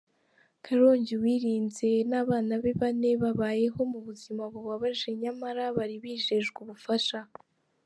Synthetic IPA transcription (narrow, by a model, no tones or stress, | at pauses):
kʰaɾo̞ːɲɟiwiːɾiːnze̞naːβaːnaβe̞βane̞βaβaːje̞ɦo̞muβuzimaβuβwaβaʒe̞ɲamaɾaβaɾiβiːʒe̞ʒɡuβufaʃa